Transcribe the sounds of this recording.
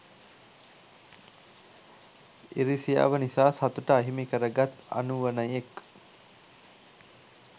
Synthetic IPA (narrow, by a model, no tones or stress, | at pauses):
iɾisija̰ːʋənisaːsat̪uʈəaɦimikəɾəɡat̪a̰nuʋənəjek